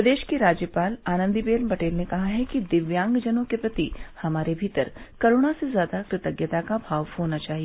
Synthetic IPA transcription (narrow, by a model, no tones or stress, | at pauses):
ɐd̪eːʃkeɾaːd͡ʒjəpaːlaːnə̃nd̪ibeːlpɐʈeːlnekɐɦaɦɛkid̪ɪʋjãːŋɡd͡ʒɐnõkepɾɐt̪ihɐmaːɾebʱiːt̪əɾkɐɾʊɽ̃asezjaːd̪akɾɪt̪əɡjət̪akabʱaːʋhoːnat͡ʃaːɦie